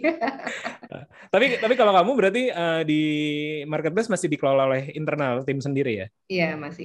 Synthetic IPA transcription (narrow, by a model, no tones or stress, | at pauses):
ə̰ | t̪apit̪apikalakamubəɾart̪̬iədimarkət̪̚bɛsmasɪhdikəlolaolɛɦint̪ərnalt̪ɪmsəndiɾija̰ | jamasɪ̰